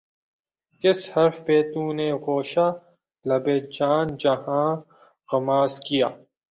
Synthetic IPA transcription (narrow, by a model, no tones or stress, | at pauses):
kɪshɐɾfpeːt̪ũːneɣoːʃaː | lɐbeːt̪̚d͡ʒaːnd͡ʒɐɦãː | ɣɐmaːzkijaː